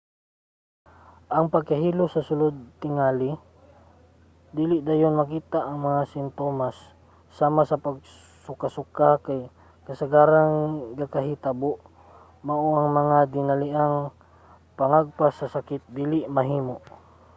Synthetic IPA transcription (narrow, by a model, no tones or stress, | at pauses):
ʔɐŋpɐɡ̚kɐɦiːlosɐsʊlod̪̚t̪ɪŋaːli | d̪iːlɪʔd̪aːjonmɐkiːt̪aʔɐŋmɐŋasɪnt̪o̞masː | aːmasɐpɐɡ̚ | sʊkasʊkakaj | kɐsaɡaːɾaŋɡakaɦit̪aboʔ | mɐʔoɐŋmɐŋad̪ɪnɐliʔaŋ | pɐŋaɡ̚pasːɐsakɪt̪̚d̪iːlɪʔmɐɦiːmoʔ